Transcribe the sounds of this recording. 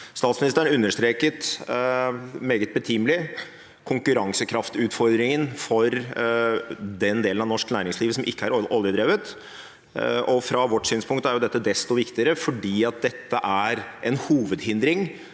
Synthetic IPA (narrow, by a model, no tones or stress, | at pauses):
st̪ɑːt̪smɪnɪst̪əʉnːəʂt̪ɾeːkət̪ | meːɡət̪̚bət̪ʰimlɪ | kʰʊŋkʉɾɑŋsəkʰɾɑft̪ʉːt̪fɔɾd̪ɾɪŋənfɔɾ | d̪ɛnd̪eːlənɑʋnɔʂknæːɾɪŋsliːʋəsɔmʔɪkːəæɾɔljəd̪ɾeːʋət̪ | ʔɔfɾɑʋɔʈːsyːnspʰʊŋk̚t̪æɾjʊd̪ɛt̪ːəd̪ɛst̪ɔʋɪkt̪ɪəɾəfɔɖiːɑt̪̚d̪ɛt̪ːəʔæɾʔɛnhuːʋəd̪hɪnd̪ɾɪŋ